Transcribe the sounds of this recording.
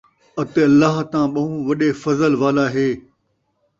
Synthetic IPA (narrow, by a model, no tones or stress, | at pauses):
ɐt̪eɐlːaːɦt̪ãːɓɐ̃ɦũːʋɐɗeːfɐzəlʋaːlaːɦeː